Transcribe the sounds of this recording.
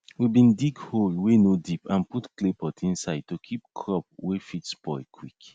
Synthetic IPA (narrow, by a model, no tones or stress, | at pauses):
wibĩndikholwenodipãnputklepɔtʰĩnsaɪd̚tukʰip̚kʰɹɔp̚wefitsbɔɪkʰwik